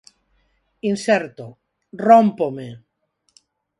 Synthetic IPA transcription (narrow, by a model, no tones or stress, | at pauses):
insɛɾt̪o | rompome